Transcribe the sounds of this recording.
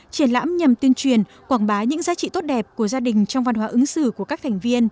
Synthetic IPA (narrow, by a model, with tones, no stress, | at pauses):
t͡ɕi˧˩ənla̰ː˧˥mɲa˨˩mt̪i˧ənt͡ɕwi˨˩ən | kwaː˧˩nɓaː˨˦ɲɨ̰˧˥ŋzaː˨˦t͡ɕḭ˧˨t̪o˦˥t̚ɗɛ˨˩p̚ku˧˩əzaː˧ɗï˨˩ŋ̟t͡ɕɔ˧wŋ͡mva˧nhɦwaː˨˦ʔɨ˨˦ŋsɨ˧˩ku˧˩əkaː˦˥k̚t̪ʰa˨˩jŋ̟vi˧ən